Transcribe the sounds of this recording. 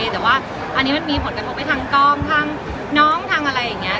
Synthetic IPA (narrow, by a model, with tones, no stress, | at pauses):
t̪ɛː˨˩waː˥˩ | ʔa˧nːiː˦˥ma˧nmiː˧pʰo˨˩˦nka˧pʰo˧pa˧˩t̪ʰaː˧ŋkɔː˥˩mt̪ʰaː˧ŋ | nɔː˦˥˩ŋt̪ʰaː˧ŋʔa˧ɾa˧jːa˨˩ŋːi˦˥ɐ